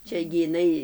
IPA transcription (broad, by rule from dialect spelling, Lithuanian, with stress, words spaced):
ˈt͡ʃʲɛ ɡʲɪ ɪˈnɐɪ